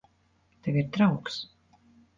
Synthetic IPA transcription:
t̪ɛviɾt̪ɾawks

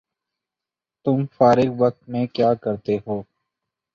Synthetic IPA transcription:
t̪ʊmfaːɾɪɡʋək̚t̪mẽkjaːkəɾt̪eɦoː

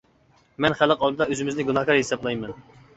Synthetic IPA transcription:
mɛnχælˠəqɑlˠd̪ɨd̪ɑøzɪmɪznɪɡunɑhkɑɾhesɑblˠɑjmɛn

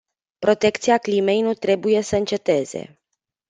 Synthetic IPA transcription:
pɾo̞t̪e̞kt̪siaklime̞jnut̪ɾe̞buje̞səɨnt͡ʃe̞t̪e̞ze̞̰

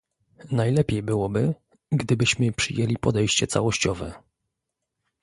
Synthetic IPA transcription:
najlɛpʲjejbɘwɔbɘ | ɡd̪ɘbɘɕmɘpʂɘjelʲipɔd̪ɛjɕt͡ɕɛt̪sawɔɕt͡ɕɔvɛ

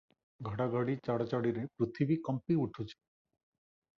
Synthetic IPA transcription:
ɡʱəɽaɡʱaɽit͡ʃaɽat͡ʃaɽiɾepɾut̪ʰibikʌmpiuʈʰut͡ʃʰi̥

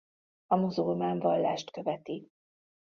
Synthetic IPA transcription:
ɒmozolmaːɱvɒlːaːʃt̪kø̞vɛt̪i

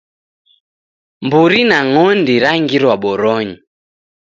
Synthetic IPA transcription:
mbuɾinaŋɔndiɾaŋɡiɾwaɓɔɾɔɲi

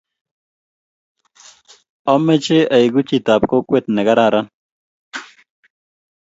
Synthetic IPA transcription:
omːet͡ɕeɐjɡut͡ɕit̪aːpkokwet̪nɐɡɐɾaːɾan

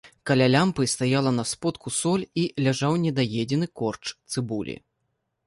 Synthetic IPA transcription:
kɐlʲalʲampɨst̪ajalˠɐnɐspɔt̪kusɔlʲilʲaʐawnʲɛd̪ajɛd͡zʲɛnɨkɔrt͡ʂt̪sɨbulʲḭ

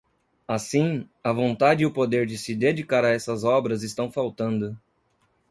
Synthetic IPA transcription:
asĩ | ɐvõnt̪ad͡ʒɪiʊpod̪eɾd͡ʒɪsɪd̪ed͡ʒikaɾɐɛsɐzɔbɾɐzɪst̪ɐ̃w̃fawt̪ɐ̃nd̪ʊ

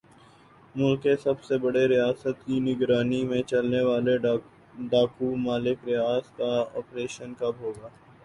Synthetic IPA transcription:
mʊlkːesɐbsebɐɽeɾɪjaːsət̪kinɪɡɾaːnimẽt͡ʃɐlneʋaːle | ɖaːkumaːlɪkɾɪjaːskaɔ̰ːpɾeːʃənkabɦoːɡaː

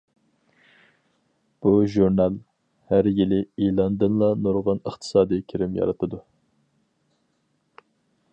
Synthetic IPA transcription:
b̥uʒuɾnɑlˠ | hæɾjilɪilˠɑnd̪ɨnlˠɑnoɾʁɑnəχt̪ʰɨ̥sɑːd̪ɨkʲʰiɾɪmjɑ̰ɾɨt̪ʰɨd̪u

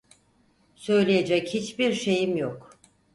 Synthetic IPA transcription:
sø̞jlʲijed͡ʒɛchit͡ʃbiɾʃe̞jimjok

